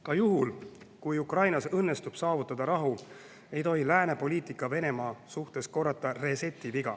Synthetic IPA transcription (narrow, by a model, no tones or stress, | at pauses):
kɑjuɦul | kujukrɑjnɑsɤnːe̞st̪ub̥sɑːvut̪ˑːɑd̪̥ɑɾɑɦu | e̞jt̪o̞ɦilæːne̞po̞lʲiːt̪ikːˑɑve̞ne̞mɑːsuht̪e̞sko̞rːɑt̪ːˑɑre̞se̞t̪ːˑiviɡ̥ɑ